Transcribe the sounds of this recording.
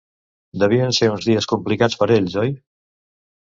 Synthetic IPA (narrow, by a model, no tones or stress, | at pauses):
d̪əβ̞iənseunzðiəskumplikat͡spəɾeʎzɔj